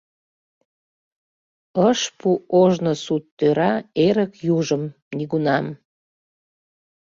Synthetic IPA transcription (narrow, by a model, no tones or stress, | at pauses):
əʃpuʔoʒnosut̪ːøɾɑeɾəkjuʒəm | niɣunɑm